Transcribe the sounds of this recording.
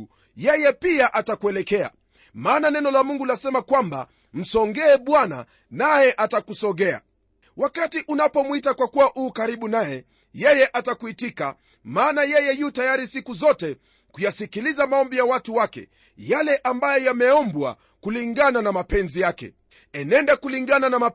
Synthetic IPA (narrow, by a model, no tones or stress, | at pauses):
jɛjɛpiaʔatakuɛlɛkɛa̰ | maːnanɛnɔlamuŋɡulasɛmakwamba̰ | m̩sɔŋɡɛːɓwana̰ | najɛʔatakusɔɠɛa̰ | wakatiʔunapɔmwitakwakuwaʔuːkaɾiɓunajɛ | jɛjɛʔatakuitika | maːnajɛjɛjutajaɾisikuzɔtɛ | kujasikilizamaɔmbijawatuwakɛ̰ | jalɛʔambajɔjamɛɔmbwa̰ | kuliŋɡananamapɛnzijakɛ̰ | ɛnɛndakuliŋɡananama